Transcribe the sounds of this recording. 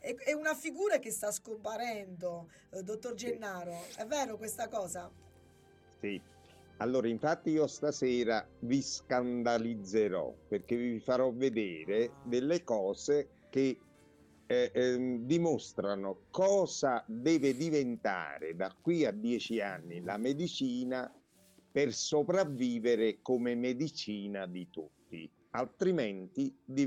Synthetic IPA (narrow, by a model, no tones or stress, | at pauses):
ɛɛunafiɡuːɾakest̪askompaɾɛnd̪o | d̪ot̪ːord͡ʒenːaːɾoɛvːɛːɾokwest̪akɔːza | si | alːoːɾaiɱfat̪ːiiːost̪asɛːɾaviskand̪alid̪zːeɾɔ̰perkeviifaɾɔvːed̪ɛːɾed̪elːekɔːze | ke | d̪imost̪ɾanʊkɔːzad̪ɛːvɪd̪ivent̪a̰ːɾɪ̰d̪akːwiad̪ːjɛːt͡ʃia̰nːilamed̪it͡ʃiːna | persopɾavːiːveɾɪkomemed̪it͡ʃiːnad̪it̪ut̪ːḭ | alt̪ɾimɛnt̪id̪i